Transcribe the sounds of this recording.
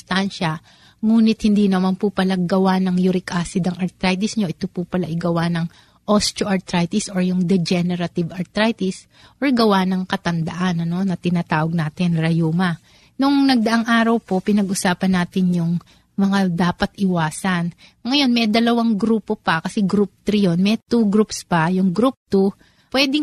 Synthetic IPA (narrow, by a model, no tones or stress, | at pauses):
st̪anʃɐ | ŋuːnɪt̪̚hɪnd̪iːnɐmanpʊpɐlaɡɐwanɐŋjʊɾɪkʔaːsɪd̪ɐŋɐɾt̪ɾajt̪ɪsɲo̞ʔɪt̪opʊpɐlaʔɪɡɐwanɐŋ | ʔost̪oʔɐɹt̪ɾajt̪ɪsʔoɹjʊŋd̪ɛd͡ʒɛnɛɾɐt̪ɪvɐɾt̪ɾajt̪ɪs | ʔoɹɡɐwanɐŋkɐt̪ɐnd̪ɐʔanɐno̞nɐt̪ɪnat̪aːwɐɡ̚naːt̪ɪnɾɐjuːmɐ | nʊŋnɐɡ̚d̪ɐʔaŋʔaːɾɐwpo̞pɪnɐɡʔʊsaːpɐnːaːt̪ɪnjʊŋ | mɐŋad̪aːpɐt̪ʔɪwaːsɐnŋɐjo̞nmɛd̪ɐlɐwaŋɡɾuːpo̞pɐkɐsɛɡɾup̚t̪ɾijo̞nmɛt̪uɡɾupspɐjʊŋɡɾup̚t̪u | pwɛːd̪ɪŋ